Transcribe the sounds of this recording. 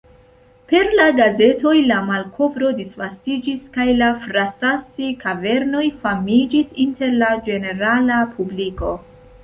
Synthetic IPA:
pe̞ɾlaɡaze̞to̞jlamalkʰo̞vɾo̞disvastid͡ʒiskajlafɾasasikave̞ɾno̞jfamid͡ʒisinte̞ɾlad͡ʒe̞ne̞ɾalapʰubliko̞

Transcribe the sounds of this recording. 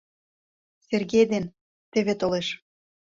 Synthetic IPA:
serɣejd̪en | t̪ĕβet̪oleʃ

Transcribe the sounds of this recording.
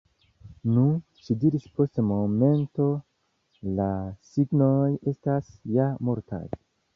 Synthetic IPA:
nuʃidiɾispo̞stmo̞me̞nto̞ | lasiɡno̞je̞stasjamo̞ɾta̰j

